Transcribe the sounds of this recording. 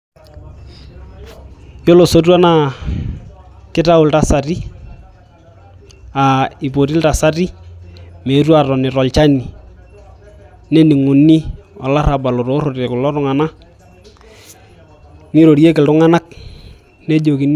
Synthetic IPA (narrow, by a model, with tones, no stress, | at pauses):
jo˦lo˨so˦t̬wa˦na˦˨ | kɪ˦ta˦ʊ˨lta˨sa˨ti˦ | a˨i˨po˨ti˦lta˨sa˦ti˦ | me˨twa˦˨tɔ˨nɪ˨ɾɔ˨lt͡ʃa˦ni˨ | ne˦ni˨ŋʊ˨nːi˦ɔ˨la˦ɾa˨ba˨lo˨ɾo˨˦ɾo˨ɾe˨kʊ˨lɔ˦ɾʊ˨ŋa˨na˦ | ni˦ɾo˨ɾje˦kɪ˨ltʊ˦ŋa˦na˦k̚ | ne˦d͡ʒo˨ki˨n